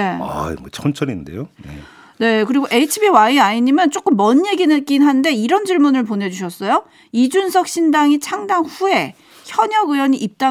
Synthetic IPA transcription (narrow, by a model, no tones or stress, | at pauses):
e̞aḭmot͡ɕʰʌnt͡ɕʰʌɾindḛjojḛ | ne̞kɯɾiɡoʔe̞itʰibiwaiaiɲimjʌnt͡ɕ͈ok͈ɯmːʌɲːe̞ɡinɯk͈inɦande̞iɾʌnd͡ʑiɭmunɯɭp̬one̞d͡ʑuɕʰʌs͈ʌjo | id͡ʑunsʰʌk̚ɕ͈indaŋit͡ɕʰaŋdaŋɸue̞ | çjʌɲʌɡɯjʌɲiʔip̚t͈a